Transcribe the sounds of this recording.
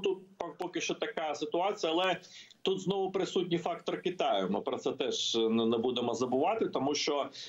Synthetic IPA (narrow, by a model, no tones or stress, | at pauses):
t̪ut̪̚ppɔkɪʃt͡ʃɔt̪ɐkɑsɪt̪ʊɑt͡sʲijɐlˠɛt̪ut̪znɔʋʊpɾɪsutʲnʲifɑkt̪ɔrkɪt̪ɑjʊmɪpɾɔt̪sɛt̪ɛʒnɛbud̪emɔzɐbʊʋɑt̪ɪt̪ɔmuʃt͡ʃɔ